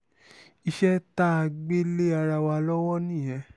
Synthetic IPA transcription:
i˧ʃɛ˦ta˦a˧ɡ͡be˦le˦a˧ɾa˧wa˧lɔ˦wɔ˦nĩ˦˨j̃ɛ̃˨˧˦

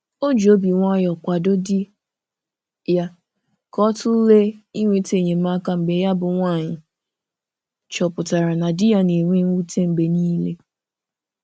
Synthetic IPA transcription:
o˦d͡ʒo˦bi˨ŋʷa˦jɔ˨kʷa˨do˦dɪ˦ | ja˦ | kɔ˦tʊ˦le˦i˦ŋʷe˦te˨ɲe˨m̩˦ma˦ka˦m̩˨be˨˦ja˦bʊ˨ŋʷa˦˨ɲɪ˨ | t͡ʃɔ˨pʊ˨ta˨ɾa˨na˨dɪ˦ja˦ne˨ŋʷe˦ŋ̩ʷ˦u˦tʰe˦m̩˨be˨niː˦le˦

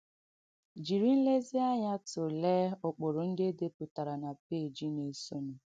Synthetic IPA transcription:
d͡ʒi˨ɾi˦n̩˦le˦zi˦a˦ɲa˦tʊ˨leː˦ʊ˨k͡po˨ɾʊ˨n̩˦de˦de˦pʊ˨ta˨ɾa˨na˨pe˦˨d͡ʒi˦ne˨so˦no˨

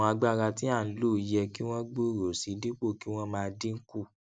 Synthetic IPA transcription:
a˧ɡ͡ba˦˨ɾa˧ti˦a˦˨n̩˨˦lu˦˨˦jɛ˧ki˦w̃ɔ̃˦ɡ͡bu˦˨ɾo˨si˨˦di˦k͡po˦˨ki˨˦w̃ɔ̃˦mãː˧di˦ŋ̩˦ku˦˨

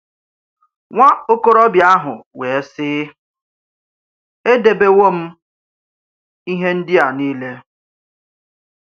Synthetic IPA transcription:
ŋʷa˦o˦ko˦ɾɔ˦bja˦ɦʊ˨we˨e˦sɪ˦ | e˦de˨be˦wo˦m̩˦ | i˦ɦe˦n̩˦dɪ˦a˨niː˦le˦

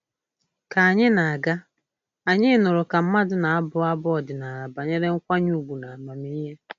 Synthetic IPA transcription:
ka˨a˨ɲɪ˦na˨a˨ɡa˦ | a˨ɲɪ˦nʊ˨ɾʊ˨ka˨m̩˦ma˦dʊ˨na˨a˦bʊ˦a˦bɔ˦ɔ˨dɪ˨na˨a˨ba˨ɲe˦ɾe˦ŋ̩˦kʷa˦ɲu˦˨ɡ͡bu˨na˨ma˨mi˦ɦe˦

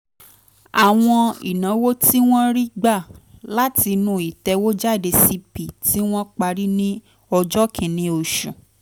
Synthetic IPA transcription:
a˨w̃ɔ̃˧ḭ˨nã˨˦wo˦ti˦w̃ɔ̃˦ɾi˦ɡ͡ba˦˨la˦ti˧nũ˧i˨tɛ˧wo˦d͡ʒa˦˨de˧si˧pi˨ti˦w̃ɔ̃˦k͡pa˧ɾi˦nĩ˦ | ɔ˧d͡ʒɔ˦kʰĩ˨nĩ˦o˨ʃṵ̃˨

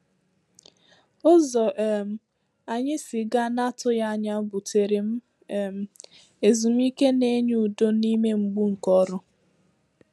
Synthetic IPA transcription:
ʊ˦zɔ˨ʔm̩˨ | a˨ɲɪ˦si˨ɡa˦na˦tʊ˦ja˦˨ɲa˦bʊ˨tʰe˨ɾe˨m̩˦˨ | m̩˨ | e˨zu˨m̩˦i˦ke˦ne˦ɲ˦u˨do˦ni˦me˦ŋ͡m̩˨ɡ͡bu˦ŋ̩˨kɔ˦ɾʊ˦

